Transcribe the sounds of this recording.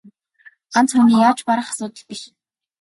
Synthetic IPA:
ant͡sxuniːjaːt͡ɕpaɾə̆χḁsʊːt̪ə̆ɮpiʃ

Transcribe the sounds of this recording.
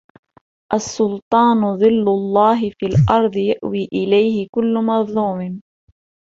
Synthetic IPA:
ʔasːʊlt̪ˤɑːnðˤɨlːʊlˤːɑːɦɪfiːlʔɑɾˤd̪ˤjaʔwiːʔɪlajhɪkʊlːmɑðˤluːmɪn

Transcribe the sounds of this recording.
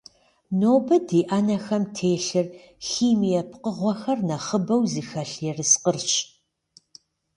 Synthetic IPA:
noːbɐdiːʔɐnɐxɐmtʰeːɬɨr | xiːmijɛpʰqəʁʷɔxɐrnɐχəbɐwziːxɐɬjɛrɨsqərɕ

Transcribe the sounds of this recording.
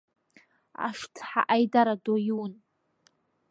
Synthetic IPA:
a̰ʂtʰħa̰ʔajdaɾadojuwn

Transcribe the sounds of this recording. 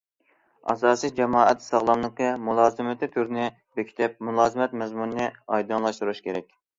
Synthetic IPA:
ɑ̰s̬ɑːsid͡ʒɛmɑːɛt̪sɑʁlˠɑmlˠəqɨmulˠɑːzɨmɪt̪ʰɪt̪ʰyɾnɪ | bekʲʰi̥t̪ʰɪp̚mulˠɑːzɨmɛt̪mɛzmunnɨɑjd̪unlˠɑʃt̪uɾuʃkʲʰeɾɛkʲ

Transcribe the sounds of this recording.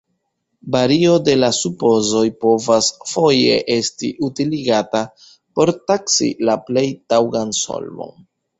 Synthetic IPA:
baɾio̞de̞lasupo̞zo̞jpo̞vasfo̞je̞̰ʔe̞stḭʔutiliɡata | po̞ɾtaksḭlaple̞jtawɡanso̰lmo̰n

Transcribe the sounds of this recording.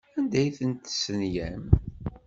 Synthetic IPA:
ænd̪æjθənt̪sənjæm

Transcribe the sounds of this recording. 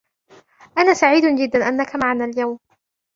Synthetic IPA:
ʔanaːsaʕiːd̪d͡ʒɪd̪ːanʔanːakamaʕanaːljawm

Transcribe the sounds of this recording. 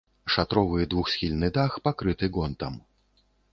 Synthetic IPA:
ʂat̪ɾɔvɨd̪vuxsʲxʲilʲnɨd̪axpakɾɨt̪ɨɡɔnt̪ɐm

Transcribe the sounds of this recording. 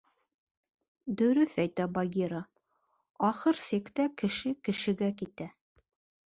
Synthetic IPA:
d̪ɵ̆ɾɵθæjt̪æbɐɡʲiɾa | ɑχɤɾsekt̪ækɘ̆ʃɘkɘ̆ʃɘ̆ɡækit̪æ

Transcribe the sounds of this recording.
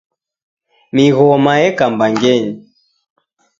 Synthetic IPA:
miɣɔmajɛkambaŋɡɛɲi

